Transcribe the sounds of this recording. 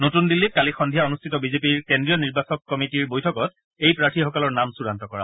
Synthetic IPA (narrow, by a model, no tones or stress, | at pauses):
notundilːit̚kalixɔndʱijaonustʰitɔbizepiɹkendɹijɔniɹbasɔkːɔmitiɹbojtʰɔkɔt | ejpɹatʰixɔkɔlɔɹnamsuɹantɔkɔɹa̰